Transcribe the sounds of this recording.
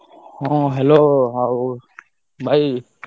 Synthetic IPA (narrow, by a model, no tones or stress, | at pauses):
hõɦɛloːɦa | bʱai